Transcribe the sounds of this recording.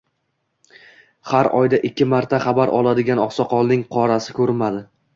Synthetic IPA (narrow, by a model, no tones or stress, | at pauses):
haɾɒjd̪aʔɪkʲʰːɪmaɾt̪ʰaχɑbaɾʔɒlˠad̪ɪɡʲanɒχsɒqʰɒlˠnɪŋqʰɒɾasɪkʰɵɾmad̪ɪ